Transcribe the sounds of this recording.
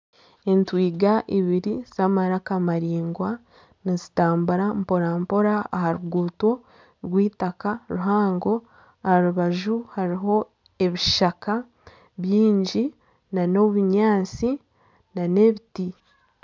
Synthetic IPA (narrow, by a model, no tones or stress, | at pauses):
e̞ntwiːɡaʔiβiɾiz̥amaɾakamaɾiːŋɡwa | nizitaːmbuɾampo̞ɾampo̞ɾa̰ːhaɾuɡuːto̞ | ɾɡwiːtakaɾuɦaːŋɡo̞ | ahaɾuβaʒuhaɾiɦo̞ | e̞βiʃaka | βjiːɲɟi | nano̞βuɲaːt͡si | nane̞βiti